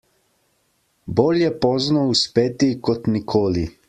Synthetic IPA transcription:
boːljɛpɔːznɔuspeːt̪ikɔt̪nikʰoːli

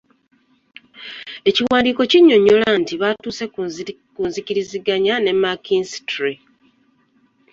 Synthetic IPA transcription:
e̞ciwaːndiːko̞ciɲːo̞ɲːo̞lantiβatuːse̞kuːnziciɾiziɡaɲane̞mːakinsi̥tɾi

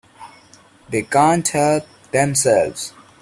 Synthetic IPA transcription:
d̪eːkãːnʈhɛlp̚ | d̪ɛ̃msɛlvz̥

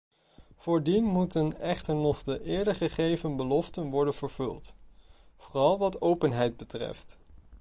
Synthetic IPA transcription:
v̥ʊːɹdinmutənɛχtəɹnɔχdəʔɪːɹdəχəχejvənbəlɔftənʋɔɹdənv̥əɹv̥ɵ̰lˠt | v̥oːrɑlˠʋɑtowpənɦɛjd̚bətrɛ̰ft

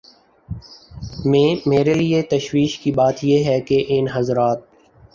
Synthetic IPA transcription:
memeːɾeliet̪ɐʃwiːʃkibaːt̪jeɦɛkeʔɪnɦɐzɾaːt̪̚

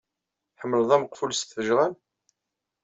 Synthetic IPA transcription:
ħəmːəlðˤæməqfulsθəʒʁæn

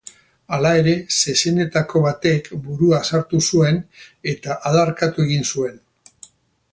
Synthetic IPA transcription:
alae̞ɾe̞se̞se̞ne̞t̪ako̞βat̪e̞ːkbuɾuasaɾt̪usue̞ne̞t̪aʔaðaɾkat̪ue̞ɣ̞insue̞n

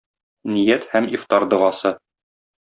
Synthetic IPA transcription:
nijæt̪hæmift̪ɑɾd̪ɤ̆ʁɑsɤ

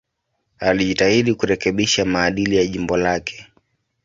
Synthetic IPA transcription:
aliʄitahiɗikuɾɛkɛɓiʃamaːɗilijaʄimbɔlakʰɛ̥

